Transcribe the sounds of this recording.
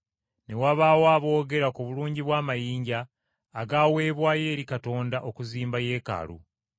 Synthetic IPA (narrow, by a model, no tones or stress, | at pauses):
ne̞waβaːwaːβo̞ːɡe̞ɾakuβuluːɲɟiβwaːmajiːɲɟaː | ɡaːwe̞ːβwaːje̞ːɾikato̞ːndaʔo̞kuziːmbaje̞ːka̰lṵ